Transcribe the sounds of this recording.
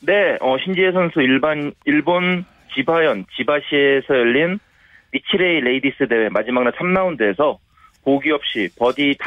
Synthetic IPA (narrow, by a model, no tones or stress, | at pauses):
ne̞ʌɕʰind͡ʑiesʰʌnsʰuiɭbaniɭbon | t͡ɕibajʌnt͡ɕibaɕʰie̞sʰʌjʌʎːin | mit͡ɕʰiɾe̞iɾe̞idis͈ɯdewemad͡ʑimaknat͡ɕʰamnaundeːsʰʌ | poɡiʌp̚ɕ͈ipʌdit